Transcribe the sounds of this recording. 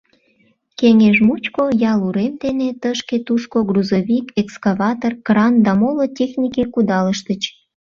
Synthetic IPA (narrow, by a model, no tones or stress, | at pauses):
keŋeʒmut͡ɕkojɑluɾemd̪enet̪əʃket̪uʃkoɡruzoβikekskaβɑt̪orkrɑnd̪ɑmolotʲexnʲikekud̪ɑləʃt̪ət͡ɕ